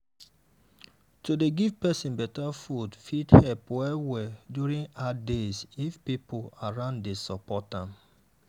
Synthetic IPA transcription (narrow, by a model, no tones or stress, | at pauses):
todeɡivpɛsĩnbɛtafudfidhɛlpwɛwɛdjuɹĩŋadesifpipolaɹãndesɔpɔtãm